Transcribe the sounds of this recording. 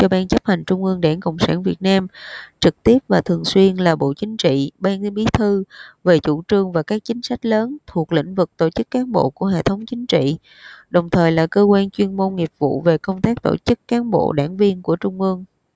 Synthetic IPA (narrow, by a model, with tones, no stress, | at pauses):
t͡ɕɔ˧ɓaː˧nt͡ɕə˦˥p̚ha˨˩ŋ̟t͡ɕʊ˧ŋ͡mʔɨ˧əŋɗaː˧˩nkə̰˧˨wŋ͡msaː˧˩nvi˨˩ət̚naː˧mt͡ɕɨ˨˩k̚t̪i˦˥əp̚vaː˨˩t̪ʰɨ˨˩əŋswi˧ənlaː˨˩ɓo̰˧˨t͡ɕï˨˦ŋ̟t͡ɕḭ˧˨ɓaː˧n˧ɓi˨˦t̪ʰɨ˧ve˨˩t͡ɕu˧˩t͡ɕɨ˨˩əŋvaː˨˩kaː˦˥k̚t͡ɕï˨˦ŋ̟sa˦˥jk̟̚ləː˨˦nt̪ʰu˨˩ək̚lḭ̈˧˥ŋ̟vɨ˨˩k̚t̪o̰˧˩t͡ɕɨ˦˥kːaː˨˦nɓo̰˧˨ku˧˩əɦḛ˧˨t̪ʰə˨˦wŋ͡mt͡ɕï˨˦ŋ̟t͡ɕḭ˧˨ | ɗə˨˩wŋ͡mt̪ʰəː˨˩jlaː˨˩kəː˧kwaː˧nt͡ɕwi˧ənmo˧nŋi˨˩əp̚v̥ṵ˧˨ve˨˩kə˧wŋ͡mt̪aː˦˥k̚t̪o̰˧˩t͡ɕɨ˦˥kːaː˨˦nɓo̰˧˨ɗaː˧˩ŋvi˧ənku˧˩ət͡ɕʊ˧ŋ͡mʔɨ˧əŋ